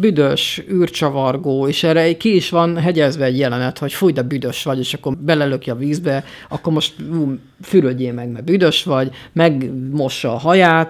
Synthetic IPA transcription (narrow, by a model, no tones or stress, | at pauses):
byd̪øʃyːrt͡ʃɒvɒrɡoːeːʃɛrɛkiiʃʋɒnɦɛɟɛzbɛːɟjɛlɛnɛt̪ho̞cfuːjd̪ɛbyd̪øʃʋɒɟeːʃɒkːo̞rbɛlɛløkjɒviːzbɛ | ɒkːo̞rmo̞ʃt̪uː | fyɾøɟeːmɛɡmɛrbyd̪ø̞ʃʋɒɟmɛɡmo̞ʃːɒːɦɒjaːt̪